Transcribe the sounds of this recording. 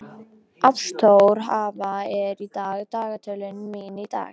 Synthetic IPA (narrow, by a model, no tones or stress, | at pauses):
ʔafst̪ʰowɾ̥ɦavaɛɾit̪aːɣt̪aːɣat̪ʰʏlɪnmiːnit̪a̰ːɣ